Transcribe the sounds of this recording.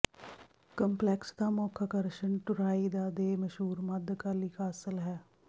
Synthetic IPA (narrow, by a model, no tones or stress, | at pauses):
kəmplɛksd̪aːmoːkʰakəɾʃəɳʈʊɾaːiːd̪aːd̪eːməʃɦuːɾməd̪kəliːkʰaːsəlɦɛː